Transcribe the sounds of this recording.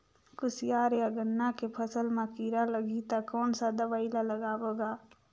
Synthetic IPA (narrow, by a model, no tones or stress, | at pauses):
kʊsijaːɾjaɡənːakepʰəsəlmakiɾaləɡit̪akɔːnsad̪əbaɪlaləɡaːboɡaː